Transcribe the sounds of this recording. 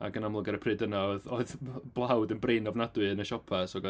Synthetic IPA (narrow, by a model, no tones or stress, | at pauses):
a̰ɡənamlˠʊɡɛɾəpʰrɨːdənaoɨðoɨðb̥lˠawdənbreːnɔvnadwɨənəʃɔpʰɛsɔɡɔ